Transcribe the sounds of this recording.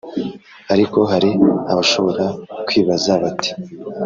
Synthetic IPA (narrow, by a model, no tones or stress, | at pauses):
aɾiko̞ɦaɾiaβaʃo̞βo̞ɾakwiːβazaβati̥